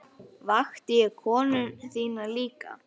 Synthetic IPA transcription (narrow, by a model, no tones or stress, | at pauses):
vaxt̪ɪɛɾkʰɔːnʏnθiːnaliːka̰